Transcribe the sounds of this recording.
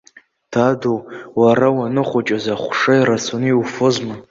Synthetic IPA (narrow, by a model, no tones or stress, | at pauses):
d̥ʰadowwaɾawanɨχʷat͡ʃʼazaχʷʂajɾasʰoniwfozma